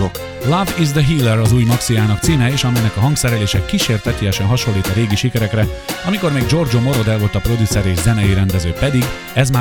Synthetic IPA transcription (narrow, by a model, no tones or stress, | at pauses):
lavizd̪ɛɦilːɛɾɒzuːjmɒksijaːnɒkt̪siːmɛiʃɒmɛjnɛkɒɦɒŋɡsɛɾɛleːʃɛkːiʃeːrt̪ɛt̪jɛʃɛnɦɒʃo̞lːiːt̪ɒɾeːɡiʃikɛɾɛkrɛɒmiko̞rmeːɡd͡ʒo̞rd͡ʒomoɾo̞d̪ɛlvo̞lt̪ɒpro̞d̪usɛɾeːʒzɛnɛjiɾɛnd̪ɛzøːpɛd̪iɡ | ɛzmaː